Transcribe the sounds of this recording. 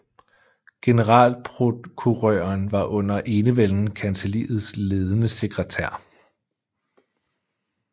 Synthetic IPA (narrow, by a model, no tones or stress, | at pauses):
ɡ̥e̝nəʁɑ̰̈ːlpʰʁokʰuʁœːɐnʋɑ̈ʔɔ̽n̰ɐʔe̝ːnəʋeln̩kʰænselḭːð̩ˠsle̝ːð̞ˠənəse̝ɡ̥ʁət͡sʰæɐ̰